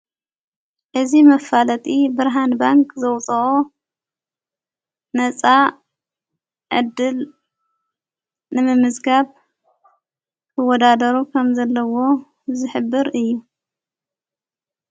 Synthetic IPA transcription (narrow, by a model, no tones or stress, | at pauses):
ʔɨzimɐfalɐt̪ʰʼibɨɾɦanbaŋkʰʼzɐwt͡sʼɐʔo | nɐt͡sʼa | ʕɨ̰d̪ːɨl | nɨmɨmɨzɡaβ | kʰɨwɔd̪ad̪ɐɾukʰɐmzɐlːɐwo̞ | zɨħɨbːɨɾɨjːu